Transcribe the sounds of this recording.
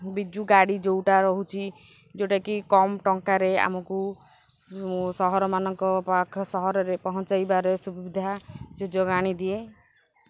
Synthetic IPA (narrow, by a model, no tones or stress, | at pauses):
bid͡ʒuɡaɽid͡ʒowʈaɾɔɦut͡ʃʰi | d͡ʒoʈakikɔmʈɔŋkaɾea̰mɔku | sɔɦɔɾɔmanɔŋkɔpakʰɔsɔɦɔɾɔɾepɔɦɔnt͡ʃajbaɾesubibid̪ʱad͡ʒod͡ʒɔɡaɽ̃id̪ie